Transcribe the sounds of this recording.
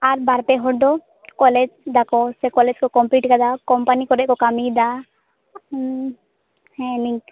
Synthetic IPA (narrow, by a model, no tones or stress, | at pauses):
aɾbaːɾpeɦɔɽd̪o | kɔled͡ʒd̪akosekɔled͡ʒkokɔmpliːʈkad̪akɔmpanikɔɾɛʔkokamid̪a | hɛ̃nĩ